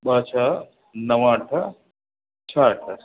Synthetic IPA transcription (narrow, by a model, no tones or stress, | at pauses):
ɓaːt͡ʃʰaː | nɐwãːʈʰɐ | t͡ʃʰaːʈʰɐ